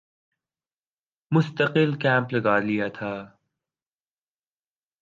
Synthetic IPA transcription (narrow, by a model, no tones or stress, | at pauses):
mʊst̪əqɪlkɛ̃ːmplɐɡaːlijat̪ʰaː